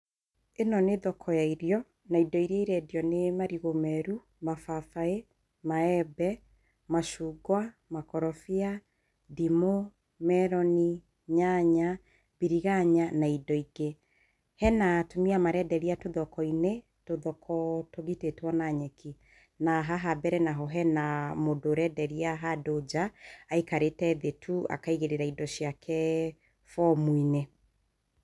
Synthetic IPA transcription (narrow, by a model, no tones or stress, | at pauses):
enɔneðɔkʰɔjaiɾiɔ | naidɔiɾeiɾɛdiɔnemaɾiɣomɛɾu | mafafae | maɛbɛ | maʃuɡwa | makɔɾɔfia | dimo | mɛɾɔni | ɲaɲa | biɾiɣaɲanaidɔiɡe | hɛnatomiamaɾɛdɛɾiatoðɔkɔine | toðɔkʰɔtoɣitetwɔnaɲɛki | naɦaɦabɛɾɛnaɦɔɦɛnamodoɾɛdɛɾiaɦadod͡ʒaːikaɾetɛðetʰua̰kaiɣeɾeɾaidɔʃiakʰɛ | fɔmuine